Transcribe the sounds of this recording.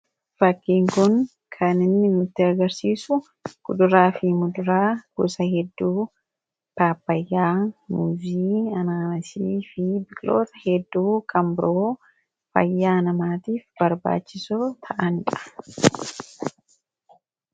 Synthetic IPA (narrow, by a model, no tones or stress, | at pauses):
fɐkːiːŋkʊŋ | kʰɐnɪnːɪmʊt̪ːɪɐɡɐɾsiːsʊ | ɡ̥ʊd̪ʊɾaːfimʊd̪ʊɾaːɡ̥ʊ̰sɐhɛd̪ːuː | paːpːɐjːaːmʊziːɐnaːmɐsiːfɪbɪkʼlo̞̰ːt̪ɐhɛd̪ːuːkʰɐmbɪɾoː | fɐ̰jːaːnɐmaːt̪iːfbɐɾba̰ːt͡ʃːɪsʊt̪ʰɐʔɐnᶑɐ̥